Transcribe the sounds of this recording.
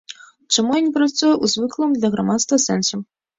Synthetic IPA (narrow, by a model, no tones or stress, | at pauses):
t͡ʂamujɔnʲipɾat̪sujɛʔuzvɨklˠɨmd̪lʲɐɣɾamat̪st̪vɐsɛnsʲɐm